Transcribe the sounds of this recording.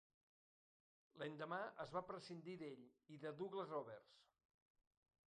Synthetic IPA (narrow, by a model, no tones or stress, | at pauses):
laɲd̪əmaəzβapɾəsind̪iðeʎiðəðuɣləzrɔβɛrs